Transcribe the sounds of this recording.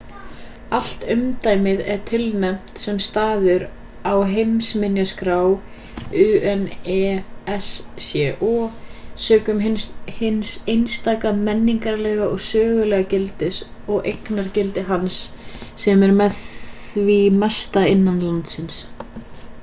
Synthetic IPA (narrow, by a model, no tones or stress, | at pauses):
al̥t̪ʏmt̪aːjmɪðɛɾ̥t̪ʰɪlnɛm̥t̪sɛmst̪aːðʏɾ | awɦejmsmɪnjaskɾaw | ʏɛnɛːɛsːjɛʔɔːsœːkʏmnhɪnsejnst̪aːkamɛnːiŋkaɾlɛːɣaʔɔɣsœːɣʏlɛːɣacɪlt̪ɪsɔɣʔejknaɾ̥cɪlt̪ɪɦans | sɛmɛɾmɛðθvimɛst̪aɪnːanlant̪sɪns